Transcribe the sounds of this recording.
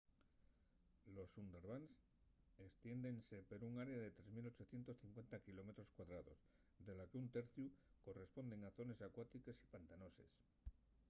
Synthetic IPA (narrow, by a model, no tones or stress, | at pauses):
lo̞sund̪e̞ɾβans | est̪je̞nd̪e̞nse̞peɾuŋaɾeaðe̞t̪ɾe̞zmilo̞t͡ʃo̞θje̞nt̪o̞sθiŋkwe̞nt̪akilo̞me̞t̪ɾo̞skwaðɾaðo̞̰z | d̪e̞lakeunt̪e̞ɾθjuko̞re̞spo̞nd̪e̞ŋaθo̞ne̞sakwat̪ikesi̥pant̪ano̞se̞̰s